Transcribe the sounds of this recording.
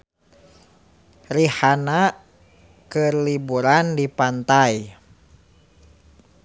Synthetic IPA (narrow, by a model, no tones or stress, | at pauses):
ɾihana | kərlibuɾandipant̪ai